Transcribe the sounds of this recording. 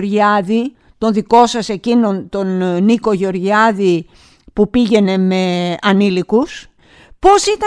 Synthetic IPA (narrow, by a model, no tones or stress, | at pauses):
ɾʝɐði | t̪o̞nðiko̞sɐse̞cino̞nt̪o̞nniko̞ʝo̞ɾʝɐði | pupiʝe̞ne̞me̞ɐnilikus | po̞sit̪ɐ